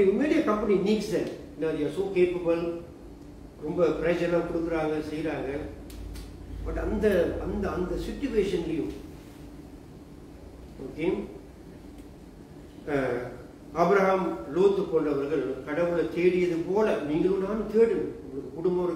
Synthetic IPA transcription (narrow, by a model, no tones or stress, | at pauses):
ɯmeːɽɪjɐkɐmpɐniniːksɐɪnːaːðɪjaːsoːkeːpɐbɐl | ɾɔmbɐpɪɾɐd͡ʒɐlaːkʊɽɯkːɪɾaːŋɡɐsɛjɾaːŋɡɐ | bɐʈːɐnd̪ɐɐnd̪ɐɐnd̪ɐsɪʈːʊʋeːʂɐnɪlɪjɯ̃m | oːke | ɐbɾɐɦamloːt̪ːɯkːɔnrɐʋɐɾɣɐɭkɐɽɐʋɯɭt̪eːɽɪjɐðɯpoːlɐniːŋɡɐɭɯ̃naːnɯ̃t̪eːɽɯmʊŋɡɐɭɯkːɯkʊɽʊmbɐʋɐ